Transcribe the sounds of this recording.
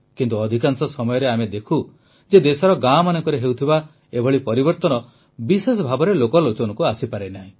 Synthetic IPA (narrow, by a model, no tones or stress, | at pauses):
kint̪uɔd̪ʱikansɔsɔmɔjɔɾeamed̪ekʰu | d͡ʒed̪esɔɾɔɡamanɔŋkɔɾeɦewt̪ʰiba | ebʱɔɭipɔɾibɔɾt̪ɔnɔ | bisesɔbʱabɔɾelokɔlot͡ʃɔnɔkuasipaɾenaɦĩ